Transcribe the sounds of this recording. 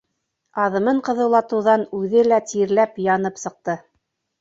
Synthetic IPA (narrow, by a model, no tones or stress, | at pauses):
ɑðɤ̆mɤɴqɤ̆ðɤ̆wlˠɑt̪ɤ̆wðɑnʉðɘlæt̪iɾlæpjɑnɤpsɤ̆q̚t̪ɤ